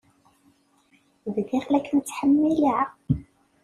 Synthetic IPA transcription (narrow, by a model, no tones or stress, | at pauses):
ððiχlækːnt͡sːħəmːiləʕ